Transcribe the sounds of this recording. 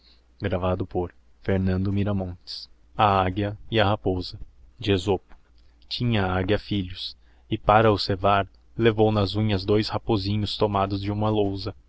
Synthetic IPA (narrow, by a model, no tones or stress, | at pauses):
ɡɾavad̪ʊpoɾ | feɾnɐ̃nd̪ʊmiɾɐmõnt͡ʃ̪ɪ̥s | ɐaɡjɐɪɐhapozɐd͡ʒɪezopʊ̥ | t͡ʃĩɲɐaɡjɐfiʎʊs | ɪpaɾɐʊsevaɾ | levownɐzũɲɐzd̪ojshapozĩɲʊst̪omad̪ʊzd͡ʒɪũmɐlowzɐ